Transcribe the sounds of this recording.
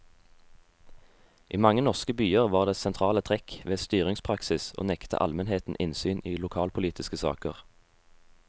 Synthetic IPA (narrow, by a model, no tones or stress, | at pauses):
ʔiːmɑŋənɔʁskəbyːəʁʋɑːʁd̪eːsɛnt̪ʰʁɑːlət̪ʰʁɛkʋeːst̪yːʁɪŋspʰʁɑksɪsʔo̰ːnɛkt̪ʰə̰ʔɑ̰lmɛnheːt̪n̩ʔɪnsyːniːlʊkʰɑːlpʰʊliːt̪ɪskəsɑ̰ːkəʁ